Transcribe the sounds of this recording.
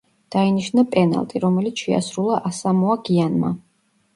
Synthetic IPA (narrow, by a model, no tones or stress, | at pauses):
d̪̥ainiʃnapʼɛna̰lˠt̪ʼiɾɔmɛlit̪sʃɛa̰sɾulˠaʔasamɔaɡianma̰